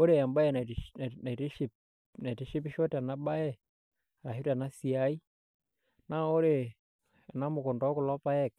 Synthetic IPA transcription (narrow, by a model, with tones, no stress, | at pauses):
o˦ɾe˨a˨mba˦jɛ˨n˨na˨i˨ti˦ʃi˦p̚ | na˨i˨ti˨˦ʃi˦p̬i˦ʃɔ˦ta˨na˦ba˦jɛ˦˨ | ɾa˨hi˦ta˨na˦si˨a˨˦i˦ | na˦o˦ɾe˨ | a˨na˦mʊ˨ku˨ndɔ˨˦ku˨lɔ˦pa˦ɛ˦˨k̚